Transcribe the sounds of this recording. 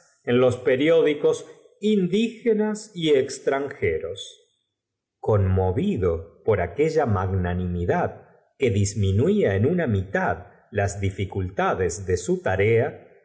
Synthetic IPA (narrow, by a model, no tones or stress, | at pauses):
enlo̞speɾjo̞ðiko̞s | ind̪ixenasiekst̪ɾaŋxeɾos | ko̞nmo̞βiðopo̞ɾake̞ʒamaɣnanimiðað | ke̞ðizminuwiaenunamit̪að | lazðifikult̪aðezðe̞sut̪aɾea